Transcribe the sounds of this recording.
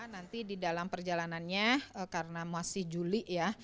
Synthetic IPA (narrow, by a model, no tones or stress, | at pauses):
nant̪ididalampərd͡ʒalananɲaəkaɾənamasɪhd͡ʒulija